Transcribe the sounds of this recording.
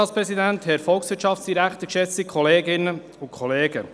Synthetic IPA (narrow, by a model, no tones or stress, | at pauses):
ɑspɾɛsid̪ænt̪hɛɾfɔlˠksʋɪːtʃɑftsd̥̪iɾækt̪əkʃɛt͡sikʰɔleːɡɪnːə | ʊkʰχɔleːɡə